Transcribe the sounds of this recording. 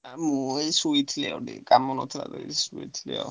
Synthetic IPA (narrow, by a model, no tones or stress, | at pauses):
muɛsuit̪ʰlɛɔd̪ḭkʼamɔnɔt̪ʰɾa̰d̪ɛisuit̪ʰlɛɔ̰